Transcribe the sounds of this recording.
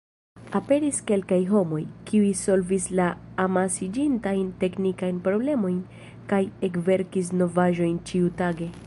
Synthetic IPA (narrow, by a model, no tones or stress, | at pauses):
ape̞ɾiske̞lkajɦo̞mo̞jkiujso̞lvislaː | masid͡ʒintajnte̞knikajnpɾo̞ble̞mo̞jn | kaje̞kve̞ɾkis̬no̞vaʒo̞jnt͡ʃiutaɡe̞